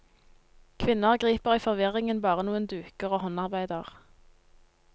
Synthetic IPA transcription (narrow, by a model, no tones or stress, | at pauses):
kʰʋɪnəʁɡʁiːpəʁiːfɔʁʋɪʁɪŋənbɑːʁənuːənd̪ʉːkəʁoːhɔnɑʁbæɪd̪əʁ